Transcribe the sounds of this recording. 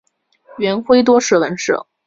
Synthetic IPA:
ɥɛ˧˥nxwe˥ɪt̪wɔ˥ʂɻ̩˥˩wə˧˥nʂɻɤ̰˥˩

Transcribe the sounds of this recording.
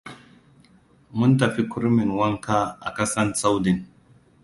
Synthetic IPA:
mʊ˦ntɐ˨ɸi˦kʰʊ˦ɾmɪ˨nwɐ˦ŋkaː˦ʔa̰˨kɐ˦sɐ˦nsa˦wdɪ˨n

